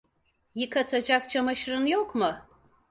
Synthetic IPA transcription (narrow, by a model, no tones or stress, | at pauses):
jikʰɐtʰɐd͡ʒak̚t͡ʃʰɐmɐʃrɨnjokʷʰmɨ